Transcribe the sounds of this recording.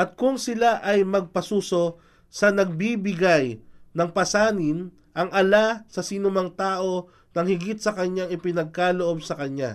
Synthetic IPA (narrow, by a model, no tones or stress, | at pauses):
ʔɐt̪̚kʊŋsɪlaʔɐjmɐɡ̚pɐsuːso̞ | sɐnɐɡ̚bibɪɡajnɐŋpɐsaːnɪn | ʔɐŋɐlasɐsinʊmɐŋt̪aːʔo̞ | nɐŋhɪɡit̪̚sɐkɐɲaŋɪpɪnɐɡ̚kaloʔo̞b̚sɐkɐɲa̰